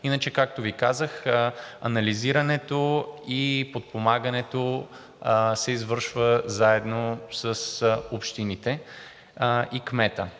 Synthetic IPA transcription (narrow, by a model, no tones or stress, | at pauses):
inət͡ʃɛkak̚t̪ovikazəxɐ̰nɐliziɾɐnɛt̪oipot̪̚pomaɡɐnɛt̪o | sɛizvɤɾʃvəzaɛd̪nosəsopʃt̪init̪ɛ | ikmɛt̪ə